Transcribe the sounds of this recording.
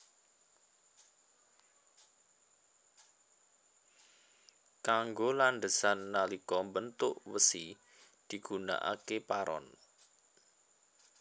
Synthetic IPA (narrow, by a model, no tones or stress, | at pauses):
kaŋɡoland̪əsanːalikɔmbənt̪ʊʔwəsi | d̪̥i̤ɡ̥una̰ʔa̰kepaɾɔ̰n